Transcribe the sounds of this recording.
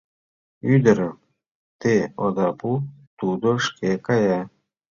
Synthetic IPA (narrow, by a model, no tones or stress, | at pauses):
yd̪əɾə | t̪eod̪aput̪ud̪oʂkekaja